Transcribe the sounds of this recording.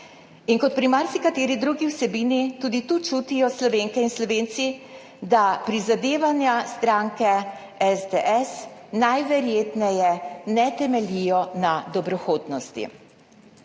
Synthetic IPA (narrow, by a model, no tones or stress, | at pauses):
inkɔt̪̚pɾimaɾsikat̪eːɾid̪ɾuːɡiwsɛbiːnit̪uːd̪it̪ut͡ʃuːt̪ijɔslɔʋeːŋkɛinslɔʋeːnt̪si | d̪apɾizad̪eːʋanjast̪ɾaŋkɛ | ɛzd̪eʔɛsnajʋɛɾjeːt̪nɛjɛnɛt̪ɛmɛlijɔnad̪ɔbɾɔxoːd̪nɔst̪ḭ